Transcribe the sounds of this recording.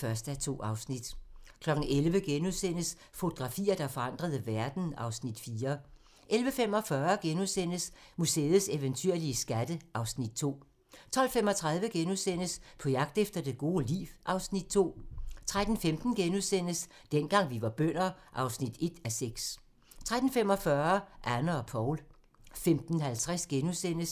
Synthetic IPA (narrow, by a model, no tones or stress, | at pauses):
fɶɐsd̥æt͡sʰo̝̰ːɑ̈ʊsnid̥kʰlɒ̽ɡ̥n̩elʋəɡ̥enuðˠsen̰əs | fo̝t͡sʰo̝ɡ̥ʁɑ̈fḭːɐd̥ɑ̈fɒ̽ɑ̈n̰d̥ʁɐð̞̩ˠəʋæɐd̥n̩ɑ̈ʊsnid̥fiːɐ | ʔelʋəfem̰ɒ̽fɶɐɡ̥enuðˠsen̰əsmusḛːð̩ˠseʋənt͡sʰyɐ̰liəsɡ̥æd̥əʔɑ̈ʊsnid̥̚t͡sʰo̝̰ː | t͡sʰɒ̽l̰fem̰ɒ̽t͡sʰʁað̞ˠʋəɡ̥enuðˠsen̰əspʰɒ̽jɑ̈ɡ̥̚d̥efd̥ɐd̥e̝ɡ̥o̝ːlḭːʋʔɑ̈ʊsnid̥̚t͡sʰo̝̰ːt͡sʰʁad̥n̩femd̥n̩ɡ̥enuðˠsen̰əs | d̥enɡ̥ɑ̈ŋ̰ʋiʋɑ̈b̥œn̰ɐʔɑ̈ʊsnid̥e̝d̥æseɡ̥s | t͡sʰʁad̥n̩fem̰ɒ̽fɶɐʔænəɒ̽pʰɒʊl | femd̥n̩ɦælt͡sʰʁasɡ̥enusen̰əs